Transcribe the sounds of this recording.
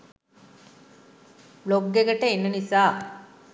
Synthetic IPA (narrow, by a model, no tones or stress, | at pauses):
bloɡːeɡɐʈɐenːɐnisaː